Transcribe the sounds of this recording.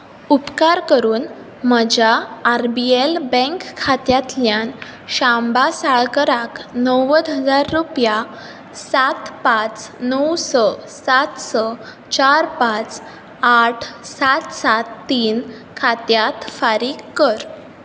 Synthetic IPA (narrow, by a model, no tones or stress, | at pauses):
upkaɾkəɾuːn | məd͡ʑaːɾbielbə̃ŋkʰːat̪jat̪ljan | ɕambasaɭkəɾaknəwəd̪ɦəd͡zaɾːupja | sat̪pat͡snəwsɔsat̪sɔ | t͡ɕaɾpat͡s | aʈʰsat̪sat̪ːiːn | kʰat̪jat̪faɾiːkːəɾ